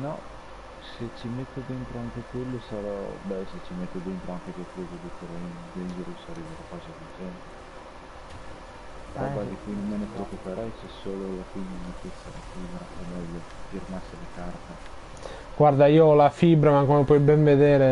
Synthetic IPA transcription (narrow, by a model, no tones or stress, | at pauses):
nɔ | set͡ʃːimet̪ːod̪ent̪ɾoaŋk̟ekwelːosaɾɔ̰bɛset͡ʃːimet̪ːod̪ɛnt̪ɾoaŋk̟ekekwezoefoɾɛnd͡ʒend͡ʒeɾusaɾiːveɾakaːzad̪id͡ʒɛnt̪e | ɾɔbad̪ikːujnomːenepɾeokːupeɾɛjsɛsoːlolafimːamet̪et̪sːa̰la̰fibɾa̰omːɛʎːo | firmasːelɪkart̪a | ɡ̥ward̪aiːoɔlafibɾamakːɔmopwɔjbɛɱved̪ɛːɾe